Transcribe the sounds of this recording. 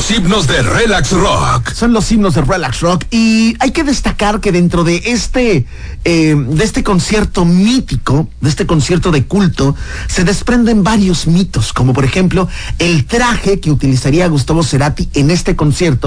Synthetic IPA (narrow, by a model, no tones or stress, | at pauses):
sibnozðerelaksro̰kso̞nlo̞siβno̞zðerelaksrokiajke̞ðe̞st̪akaɾke̞ðe̞nt̪ɾo̞ðe̞ʔest̪e | ed̪eest̪e̞ko̞nsje̞ɾt̪o̞mit̪ikod̪eest̪e̞ko̞nsje̞ɾt̪o̞ðe̞kult̪o̞ | se̞ðe̞spɾe̞nd̪e̞mbaɾjo̞zmit̪o̞sko̞mo̞po̞ɾe̞xe̞mplo̞e̞lt̪ɾaxe̞ke̞ut̪ilisaɾiaɣus̬t̪aβo̞se̞ɾat̪iene̞st̪e̞ko̞nsje̞ɾt̪o